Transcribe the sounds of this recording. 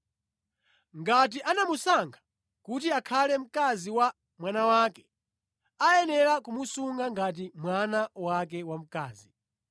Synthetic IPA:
ŋɡat̬iʔanamusaŋɡʰḁ | kut̬iakʰalɛm̩kaziwa | mwanawakɛ̥ | ajɛnɛɾakumusuŋɡaŋɡat̬imwanawak̬ɛwam̩kaːzi

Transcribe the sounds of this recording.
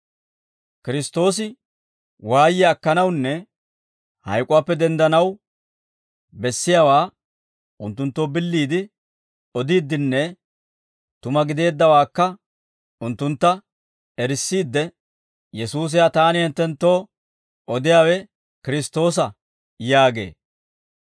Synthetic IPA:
kɪɾɪst̪o̞ːs̬ɪ | waːjɪɐkːɐnɐwnːɛ | hɐ̰jkʼʊwaːpːɛd̪ɛnd̪ɐnɐw | bɛsːɪjaːwaː | ʊnt̪ːʊnt̪ːo̞ːbɪlːiːd̪ɪ | ɔd̪iːd̪ːɪnːɛ | t̪ʊmɐɡɪd̪e̞ːd̪ːɐwaːkːɐ | ʊnt̪ːʊnt̪ːɐ | ɛɾɪsːiːd̪ːɛ | jɛsuːs̬ɪjat̪aːnɪhɛnt̪ːɛnt̪ːo̞ː | ʔɔd̪ɪjaːwɛ | kɪɾɪst̪o̞ːs̬ɐ | jaːɡe̞̰ː

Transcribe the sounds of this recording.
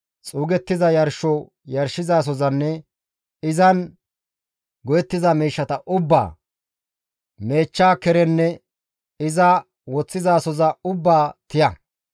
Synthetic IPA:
t͡sʼuːɡɛt̪ːɪzɐjɐɾʃɔ | jɐɾʃːɪzaːs̬ɔzɐnːɛ | ɪzɐn | ɡɔjɛt̪ːɪzɐmiːʃːɐt̪ɐʔʊbːa̰ː | me̞ːt͡ʃːaːkɛɾɛnːɛ | ɪzɐ | wɔt͡sːɪzaːsɔzɐʊbːaːt̪ɪjɐ

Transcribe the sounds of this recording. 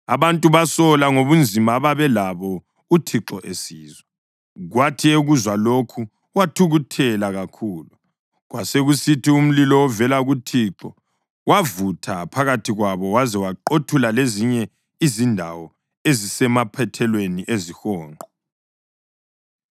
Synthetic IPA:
a̰βantʼuβasɔlaŋoβund͡zʱimaːβaβɛlaβɔ | utʰiǁɔʔesiːzwɛ | ɣwatʰieɣuzwalokʰu | watʰuɣutʰɛlaɣakʰuːlu | ɣwaseɣusitʰium̩lilɔwɔvɛlaɣutʰiǁɔ | wavutʰapʰaɣatʰiɣwaβɔwazɛwaǃotʰulaleziɲɛ | izindʱa̰wɔ | ezisɛmapʰɛtʰɛlweniʔezixɔːŋʱɔ

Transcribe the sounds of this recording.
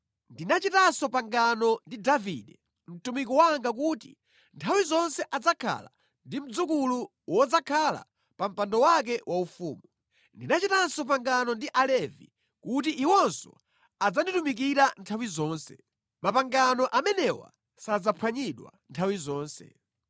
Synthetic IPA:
ndinat͡ʃitansɔpaŋɡanɔndidavḭɗɛ | m̩tumikɔwaŋɡak̬uti | ntʰawizɔnsɛʔad͡zakʰa̰la̰ | ndim̩d͡zukulu | wɔd͡zakʰala̰ | pam̩pandɔwak̬ɛwʔaufṵːmu | ndinat͡ʃitansɔp̬aŋɡanɔndiʔalɛvḭ | kut̬iʔiwɔnsɔ̰ | ad͡zanditumik̬iɾantʰawizɔːnsɛ̰ | mapaŋɡanɔʔamɛnɛwa̰ | sad͡zapʰwaɲiɗwa̰ntʰawizɔːnsɛ̰

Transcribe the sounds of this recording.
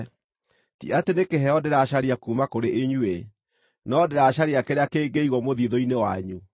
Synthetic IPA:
tḭatenekeɦɛɔdeɾaʃaɾiakumakoɾeʔeɲue | nɔdeɾaɕaɾeakeɾeakeːɡeiɣwɔmoðiðɔinewa̰ɲu

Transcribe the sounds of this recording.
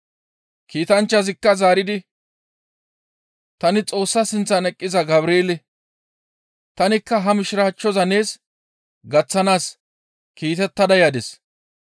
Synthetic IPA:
kiːt̪ɐnt͡ʃːɐzɪkːɐzaːɾɪd̪ɪ | t̪ɐnɪt͡sʼo̞ːsːɐsɪnt͡sːɐnɛkʼːɪzɐɡɐβɾeːlɪ | t̪ɐnɪkːɐɦɐmɪʃɪɾaːt͡ʃːɔzɐne̞ːs | ɡɐt͡sːɐnaːs | kiːt̪ɛt̪ːɐd̪ɐjad̪ɛs

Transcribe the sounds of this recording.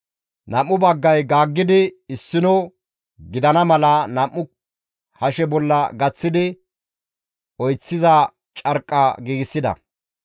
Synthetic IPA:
nɐmːʊbɐɡːɐjɡaːɡːɪd̪ɪɪsːɪnɔ | ɡɪd̪ɐnɐmɐlɐnɐmːʊ | hɐʃɛbɔlːɐɡɐt͡sːɪd̪ɪ | ɔjt͡sːɪzɐ | t͡ʃʼɐɾkʼːɐɡiːɡɪsːɪd̪ɐ̰

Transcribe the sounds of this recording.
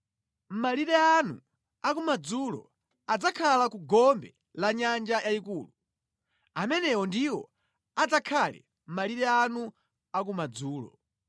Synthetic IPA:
m̩maliɾɛanṵ | akumad͡zulɔ̰ | ad͡zakʰalakuɡɔmbɛ̰ | laɲand͡ʒajaikuːlu | amɛnɛwɔndiwɔ | ad͡zakʰalɛ̰ | m̩maliɾɛanu | ak̬umad͡zuːlɔ̰

